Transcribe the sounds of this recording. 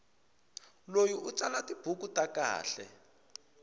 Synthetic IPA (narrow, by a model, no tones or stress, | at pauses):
lojiʔut͡sʼalatib̥ʱuk̬utaka̰ːɬɛ̰